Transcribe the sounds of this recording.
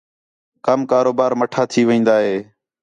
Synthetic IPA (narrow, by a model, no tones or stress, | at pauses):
kəmkaːɾoːbaːɾməʈʰaːt̪ʰiːʋĩːnd̪aːɦeː